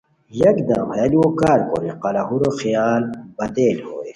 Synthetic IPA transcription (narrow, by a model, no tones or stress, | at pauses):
jɐkd̪ɐwhɛliwokaːɾko̰ɾeqɐlaɦuɾoxijaːlbɐd̪eːlhoːeː